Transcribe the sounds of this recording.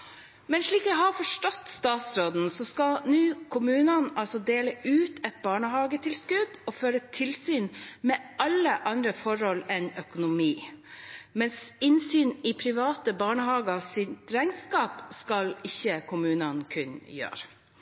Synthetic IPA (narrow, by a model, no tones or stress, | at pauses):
mɛnʂɭiːkɛhɑɾfɔʂʈɔt̪ːst̪ɑːt̪sɾoːd̪n̩sɔskɑlnʉːkʰʊmʉːnɑnʔɑlsɔd̪eːləʔʉːt̪ʰɛt̪̚bɑːɳəɦɑːɡət̪ʰɪlskʉd̪ɔføːɾət̪ʰɪlsyːnmɛːɑlːəʔɑnd̪ɾəfɔɾhɔlɛnœkʊnʊmiː | mɛnsɪnsyːnɪpʰɾɪʋɑːt̪əbɑːɳəhɑːɡɑsɪnt̪ɾæɪŋskɑːpskɑlɪçːəkʰʊmʉːnɑnkʰʉnjø̰ːɾ